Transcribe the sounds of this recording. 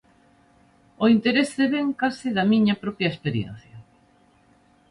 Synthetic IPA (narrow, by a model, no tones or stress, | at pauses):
oint̪eɾesðeβeŋkasɪðɐmiɲɐpɾɔpjɐespeɾjḛn̟θjɐ